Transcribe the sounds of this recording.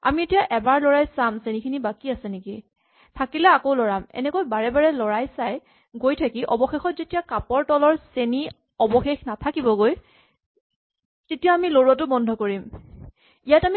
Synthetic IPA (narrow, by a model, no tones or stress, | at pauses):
a̰mietijaʔɛbaɹlɔɹajsamsenikʰinibakiasɛniki | tʰakilɛakoʊlɔɹamɛ̰nɛkojbaɹɛbaɹɛlɔɹajsaj | ɡojtʰakiʔɔbɔxexɔtzetijakapɔɹtɔlɔɹseni | ɔbɔxexnatʰakibɔɡoj | tetijaamiloɹuat̬ʊbɔndʱɔkoɹim | ijatami